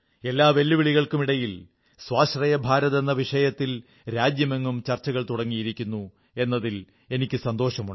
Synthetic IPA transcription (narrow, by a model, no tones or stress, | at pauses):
e̞lːaːʋe̞lːiʋiɭiɣɐɭkumiɽɐjil | swaːɕrɐjɐbʱaːɾɐðenːɐʋiʂɐjɐt̪ːil | ɾaːd͡ʑjɐmeŋːumt͡ɕɐrt͡ɕːɐɣɐɭt̪uɽɐŋːijiɾikʲːunːu | e̞nːɐðil | e̞nikʲːɨsɐnd̪o̞ːʂɐmuɳɖ